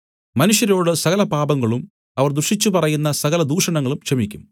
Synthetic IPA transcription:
mɐnuʂjɐɾo̞ːɽɨsɐɣɐlɐpaːbɐŋːɐɭum | ɐʋɐrd̪urʂit͡ɕːupɐrɐjunːɐsɐɣɐlɐd̪uːʂɐɳɐŋːɐɭumkʂɐmikʲːum

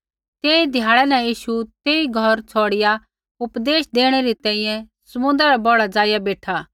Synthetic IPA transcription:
t̪eːid̪ʱjaːɭɛnɛ̃jiːʃut̪eːiɡʱɔɾt͡sʰɔːɽɪja | ʊpd̪eːʃd̪eːɽ̃eɾit̪ɛ̃ːĩjɛ̃sɐmʊ̃nd̪ɾɾabɔɽad͡zaːjabeːʈʰaː

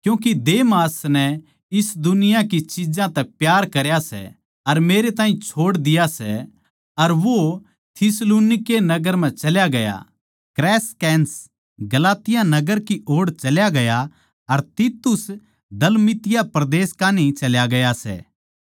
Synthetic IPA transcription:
kjũːk̬id̪eːmaːsnɛ | ɪsd̪ʊnɪjakit͡ʃɪd͡ʒãt̪ɛpjaːɾkɐɾjasɛ̰ | ɐɾmeːɾet̪ãːɦĩt͡ʃʰoːɽd̪ɪjasɛ̰ | ɐɾʋo | t̪ʰɪsluːnɪkenɐɡəɾmɛ̃t͡ʃɐljaɡɐja̰ | kɾɛːskɛːns | ɡɐlaːt̪ɪjãnɐɡəɾkiʔoːɽt͡ʃɐljaɡɐja | ɐɾt̪it̪ʊs | d̪ɐlmɪt̪ɪjapɾɐd̪eːskaːnit͡ʃɐljaɡɐjasɛ̰

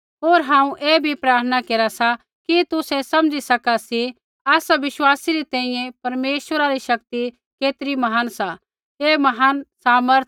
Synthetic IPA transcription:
ɦoːɾɦãːũʔeːbʱipɾaːɾt̪ʰənakeːɾasa | kit̪ʊsɛsɐ̃md͡ʒisɐkasi | aːsaʋɪʃwaːsiɾit̪ɛ̃ːĩjɛ̃pɐɾmeːʃwəɾaɾiʃɐk̚t̪i | keːt̪ɾimɐɦansa | eːmɐɦansaːməɾt̪ʰ

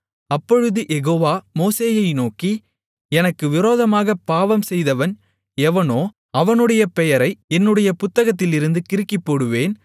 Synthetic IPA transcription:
ɐpːɔɻɯðɯʔɛɣoːʋaːmoːseːjɐɪnoːki | ɛnɐkːɯʋɪɾoːðɐmaːɣɐpaːʋɐmsɛjðɐʋɐn | ɛʋɐnoː | ɐʋɐnɯɽɐjɐpɛjɐɾɐɪɛnːɯɽɐjɐpʊt̪ːɐɣɐt̪̬ːɪlɪɾɯnd̪ɯkɪɾɯkːɪpːoːɽɯʋeːn

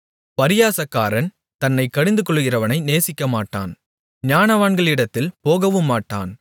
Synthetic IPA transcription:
pɐɾɪjaːsɐkːaːɾɐn | t̪ɐnːɐɪkːɐɽɪnd̪ɯkɔɭːɯɣɪrɐʋɐnɐɪneːsɪkːɐmaːʈːa̰ːn | ɲaːnɐʋaːɳɡɐɭɪɽɐt̪ːɪlpoːɣɐʋɯmːaːʈːa̰ːn

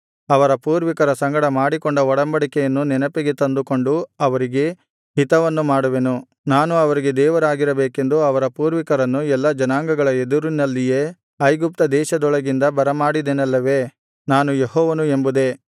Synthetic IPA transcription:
ɐʋɐɾɐpuːɾʋikɐɾɐsɐŋɡɐɽɐmaːɽikoɳɖɐɔɽɐmbɐɽikɛjɐnːunɛnɐpeɡet̪ɐnd̪uko̞ɳɖuɐʋɐɾiɡe̞ | ɦit̪ɐʋɐnːumaːɽuʋenu | naːnuɐʋɐɾiɡe̞d̪ɛːʋɐɾaːɡiɾɐbeːke̞nd̪uɐʋɐɾɐpuːɾʋikɐɾɐnːuɛlːɐd͡ʒɐnaːŋɡɐɡɐɭɐed̪uɾunːɐlːijeː | ɐjɡup̚t̪ɐd̪ɛːʃɐd̪ɔɭɐɡind̪ɐbɐɾɐmaːɽid̪enɐlːɐʋe̞ː | naːnujeɦɔːʋɐnuembud̪e̞

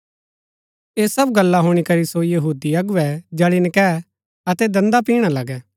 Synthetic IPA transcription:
eːsɐbɡɐlːaɦʊːɽ̃ikɐɾisojɐɦuːd̪iɐɡʊɛd͡ʒɛːɽinɪkɛ | ɐt̪ɛd̪ɐ̃nd̪apiːɽ̃alɐɡɛː

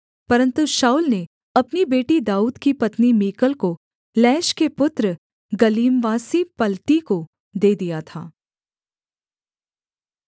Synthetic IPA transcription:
pɐɾə̃nt̪uʃaːʊlne | ɐpnibeːʈid̪aːuːd̪kipɐt̪nimiːkəlko | lɛːʃkepʊt̪ɾə | ɡɐliːmʋaːsipɐlt̪iko | d̪eːd̪ijat̪ʰa̰ː

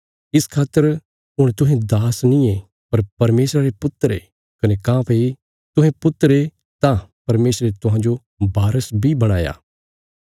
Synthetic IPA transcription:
ɪskʰaːt̪ːəɾ | ɦʊɽ̃t̪ʊ̃ɦẽd̪aːsnĩe | pɐɾpɐɾmeːsɾaɾepʊt̪ːəɾḛ | kɐnekãːpʰei | t̪ʊ̃ɦẽpʊt̪ːəɾe | t̪ãpɐɾmeːsɾet̪ʊɦãːd͡ʒo | bʱaːɾəsbʱibɐɽ̃aːja̰ː

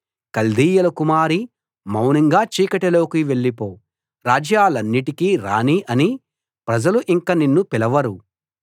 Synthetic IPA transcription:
kɐld̪iːjɐlɐkumaːɾi | mɐwnɐŋɡaːt͡ʃiːkɐʈelo̞ːkiʋe̞ɭːipo̞ː | ɾaːd͡ʒjaːlɐnːiʈikiːɾa̰ːniʔɐni | pɾɐd͡ʒɐluʔiŋkaninːupilɐʋɐɾu

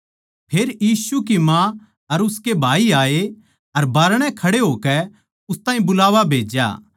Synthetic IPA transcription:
pʰeːɾjiːsukimã | ɐɾʊskebʱaːiaːe | ɐɾbaːɾɽ̃ɛ̃kʰɐɽeɦoːkɛ | ʊst̪ãːɦĩbʊlaːʋabʱeːd͡ʒja̰ː

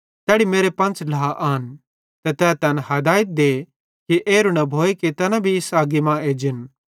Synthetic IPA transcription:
t̪ɛːɽimeːɾepɐ̃nt͡ʃlaaʔaːn | t̪ɛt̪ɛːt̪ɐnɦɐd̪aːɪt̪̚d̪e | kiʔeːɾunɐbʱoːeket̪ɐnãbʱiɪsaːɡimãeːd͡ʒɪn

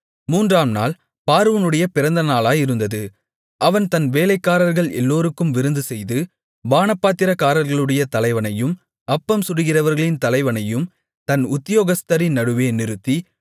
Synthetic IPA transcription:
muːndraːmna̰ːl | paːɾɯʋɐnɯɽɐjɐpɪɾɐnd̪ɐnaːlaːjɪɾɯnd̪ɐðɯ | ʔɐʋɐnt̪ɐnʋeːlɐɪkːaːɾɐɾɣɐɭɛ̰lːoːɾɯkːɯmʋɪɾɯnd̪ɯsɛjðɯ | ʋaːnɐpːaːt̪ːɪɾɐkaːɾɐɾɣɐɭɯɽɐjɐt̪ɐlɐɪʋɐnɐjɯm | ɐpːɐmsʊɾɯɣɪrɐʋɐɾɣɐɭɪnt̪ɐlɐɪʋɐnɐjɯm | t̪ɐnʊt̪ːɪjoːɣɐst̪ɐɾinɐɽɯʋeːnɪɾɯt̪ːi

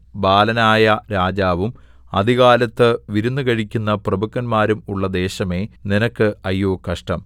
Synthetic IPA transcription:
baːlɐnaːjɐɾaːd͡ʑaːʋum | ɐ̰d̪ʱiɣaːlɐt̪ːɨʋiɾunːɨɣɐɻikʲːunːɐprɐbukːɐnmaːɾumuɭːɐd̪e̞ːɕɐme̞ːninɐkːɨɐjːoːkɐʂʈɐm

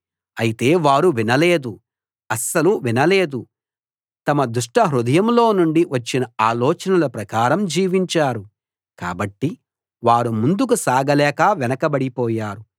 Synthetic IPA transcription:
ɐjit̪e̞ːʋaːɾuʋinɐle̞ːd̪u | ɐsɐluʋinɐle̞ːd̪u | t̪ɐmɐd̪uʂʈɐɦɾud̪ɐjɐmlo̞ːnuɳɖiʋɐt͡ʃːinɐaːlɔːt͡ʃɐnɐlɐpɾɐkaːɾɐmd͡ʒiːʋiɲt͡ʃaːɾu | ka̰ːbɐʈːi | ʋaːɾumund̪uk̬usaːɡɐlɛːkɐʋɛnɐkɐbɐɽipɔːjaːɾu

